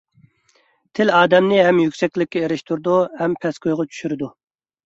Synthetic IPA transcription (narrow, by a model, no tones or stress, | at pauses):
t̪ʰɪlɑːd̪ɛmnɪɦɛmjykʲsɛkʲlɪkʲːɛeɾɪʃt̪ʰuɾd̪uhɛmpʰɛskojʁɑt͡ʃʰy̥ʃyɾɪd̪u